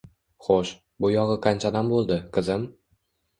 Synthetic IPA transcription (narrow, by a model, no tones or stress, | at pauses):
χoʃ | bʊjɒʁɨqʰant͡ʃʰad̪ambolˠd̪ɪqʰɨzɪm